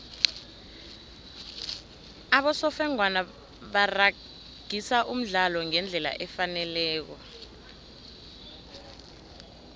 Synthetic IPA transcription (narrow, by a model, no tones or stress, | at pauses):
aɓɔsɔfɛŋwana | ɓara | ɡ̥ʱisaʔum̩ɮalɔŋɛnd͡ɮʱɛla̰ʔɛfanɛlɛːk̬ɔ